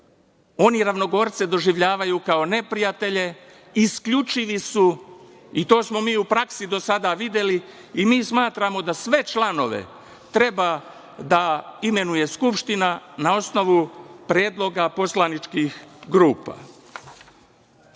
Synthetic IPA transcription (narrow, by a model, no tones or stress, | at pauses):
o̞niɾaʋno̞ɡo̞ːɾt̪sed̪o̞ʒiʋʎaːʋajuːkao̞ne̞pɾijat̪e̞ʎe̞ | iskʎut͡ʃiʋisu | it̪o̞ːsmo̞miːupɾaksid̪o̞sad̪aʋid̪je̞li | imiːsmaːt̪ɾamo̞d̪asʋe̞t͡ʃlano̞ʋḛ | t̪ɾe̞ba | d̪aime̞nuje̞skupʃt̪inanao̞sno̞ʋupɾje̞ːd̪lˠo̞ɡapo̞slˠanit͡ʃkixɡɾuːpa̰